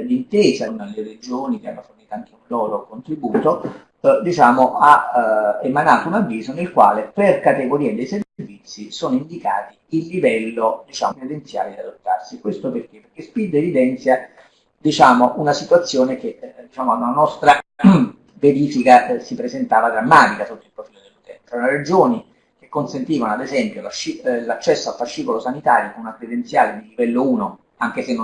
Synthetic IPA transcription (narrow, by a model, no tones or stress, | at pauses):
d̪int̪eːzanalered͡ʒoːnik̟a̰nːoforniːt̪oaŋk̟eunlɔːɾokont̪ɾibuːt̪o | d̪it͡ʃaːmoʔa | emanaːt̪ounavːiːzonelkwa̰ːleperkat̪eɡoɾiːed̪ejserrvit̪sːisoːnoind̪ika̰ːt̪iilːivɛlːod̪it͡ʃa̰ːmoɾed̪ent̪sja̰ːled̪iad̪ot̪ːarsikwest̪operk̟epːerk̟espid̪ːevid̪ɛnt̪sja | d̪it͡ʃaːmoʔunasit̪wat̪sːjoːnek̟ed̪it͡ʃaːmad̪ananɔst̪ɾa | veɾiːfikasipɾezent̪aːvad̪ɾamːaːt̪ikasot̪ːoilpɾofiːlod̪elːut̪ɛ̰nt̪ɾaunaɾed͡ʒoːni | k̟ekːonsent̪iːvanoad̪ezɛmpjolaʃilat͡ʃːɛsːoalfaʃːiːkolosanit̪aːɾjokonunakɾed̪ent̪sjaːlenilːivɛlːouːno | aŋk̟esenː